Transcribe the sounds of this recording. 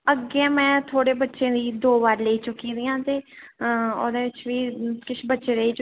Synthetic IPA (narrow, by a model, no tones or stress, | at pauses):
əɡeːmɛ̃ːt̪ʰoːɽeːbətːʃẽːd̪iːd̪oːbaːɾleiːt͡ʃʊkiːɾijãːt̪eː | o̰d̪eːʋɪt͡ʃʋiːkɪʃʰbətːʃeːɾəiːt͡ʃ